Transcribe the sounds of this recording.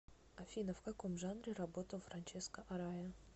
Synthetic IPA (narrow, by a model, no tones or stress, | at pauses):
ɐfʲinəfkɐko̞mʐanɾʲɪrɐbo̞t̪əlˠfɾɐnʲt͡ɕɛskəʔɐɾajə